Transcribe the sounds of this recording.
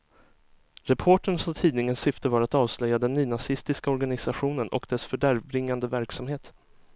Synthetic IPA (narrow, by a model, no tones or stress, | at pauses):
ɾɛpʰoːʈəɳsɔt̪ʰiːd̪nɪŋənsʏft̪əvɑːɾat̪ɑːvslœjːad̪ɛnːyːnasɪst̪ɪskaɔɾɡanɪsaɧuːnənʔɔ̰kd̪ɛsfœɖæɾvbɾɪŋːand̪əvæɾksamheːt̪